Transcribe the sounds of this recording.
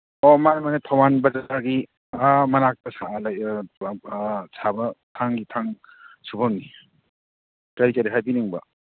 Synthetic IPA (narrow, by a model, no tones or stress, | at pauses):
ɔmanmanetʰɔwanbɐzataɡi | amɐnak̚tɐsalaj | sʰabɐtʰaŋɡitʰaŋ | subaŋɡi | kaɾit͡ʃaɾiɦajbiniŋbɐ